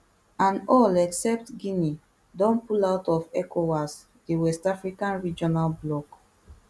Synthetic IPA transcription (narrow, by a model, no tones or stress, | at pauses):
ãnɔlɛksɛp̚tɡini | dɔ̃npulaʊtɔfɛkʰowas | dewɛstafɹikãnɹid͡ʒɔnalblɔk